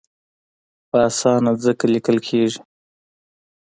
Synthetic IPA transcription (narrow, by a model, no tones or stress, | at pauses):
ɑːsɑnazəkalɪkəlkʰeʒi̥